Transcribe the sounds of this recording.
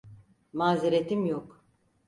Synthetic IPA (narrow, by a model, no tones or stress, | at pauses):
maːziɾet̪ʰimjok